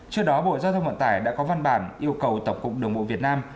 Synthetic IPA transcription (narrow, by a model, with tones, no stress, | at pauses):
t͡ɕɨ˧əɗɔ˨˦ɓo̰˧˨zaː˧wt̪ʰə˧wŋ͡mvə̰˧˨t̪aː˧˩jɗa̰ː˧˥kɔ˨˦va˧nɓaː˧˩nʔi˧əwkə˨˩wt̪ə˧˩wŋ͡mkʊ̰˨˩k͡p̚ɗɨ˨˩əŋɓo̰˧˨vi˨˩ət̚naː˧m